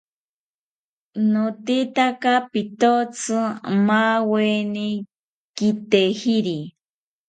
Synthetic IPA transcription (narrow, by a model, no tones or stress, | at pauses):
not̪it̪akapit̪ot͡sʰɨmaweni | kit̪ehiɾi